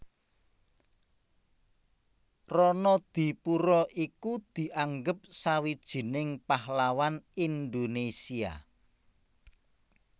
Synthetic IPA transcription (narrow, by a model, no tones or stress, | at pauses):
rɔnɔd̪̥i̤puɾɔʔikud̪̥i̤ʔaŋɡəp̚sawid̥ʒ̥i̤nɪŋpahlawanind̪onesia̰